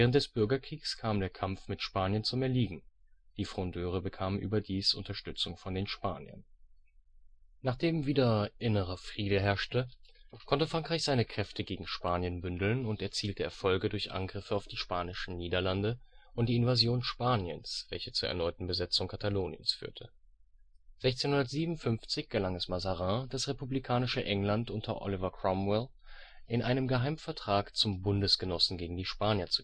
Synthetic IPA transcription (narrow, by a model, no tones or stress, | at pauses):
ɛːʁ̞əntd̥ɛsb̥ʏɐɡɐkʁ̥iːkskʰaːmdeːɐkʰamfmɪtʃpaːnjənt͡sumɛɐliːɡŋ̩ | d̥iːfʁ̥ɔndøːʁ̞əbəkʰaːmənʔy̰ːbɐdiːsʔʊ̰ntɐʃtʏt͡sʊŋfɔndeːnʃpaːnjɐ̰n | naːχd̥eːmviːdɐʔɪnəʁɐfʁ̥iːdəɦɛɐʃtəkʰɔntəfʁ̥aŋkʁ̥aɪçz̥aɪnəkʁ̥ɛftʰəɡeːɡŋ̩ʃpaːnjənbʏndl̩nʊntɛɐt͡siːltəɛɐfɔlɡədʊɐçʔa̰nɡʁɪfəaʊfd̥iːʃpaːnɪʃn̩niːdɐlandəʔʊnt̚d̥iːɪnvazjoːnʃpaːnjənsv̥ɛlçət͡suːɐʔɛɐnɔʏtn̩bəzɛt͡sʊŋkʰataloːnjə̰nsfy̰ːɐtʰə | z̥ɛçt͡seːnhʊndɐtz̥iːbmʊnfʏnft͡sɪçɡ̥əlaŋɛsmazaʁãd̥asʁepublikʰaːnɪʃəʔɛŋlantʔʊntʰɐ̰ʔɔ̰lɪvɐkʰʁ̥ɔmwɪl | ʔɪnʔaɪnəmɡəɦaɪmfɛɐtʁ̥aːkt͡sʊmbʊndəsɡ̥ənɔsn̩ɡeːɡŋ̩diːʃpaːnjɐt͡su